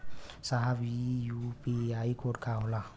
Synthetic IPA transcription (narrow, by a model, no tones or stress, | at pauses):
saɦabijupiaikʰoʈ̚kʰaɦola